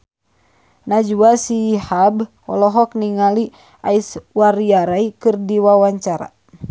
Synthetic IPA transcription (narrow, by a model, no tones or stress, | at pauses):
nad͡ʒuasihab | ɔlɔɦɔk̚niŋali | ʔaiswaɾiaɾaikɨrdiwawaɲt͡ʃaɾa̰